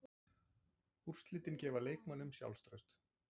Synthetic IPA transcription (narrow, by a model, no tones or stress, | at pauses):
ur̥st̪lɪːt̪ɪncɛːvaleːjk̚manːʏmsja̰wlst̪ɾœɥst̪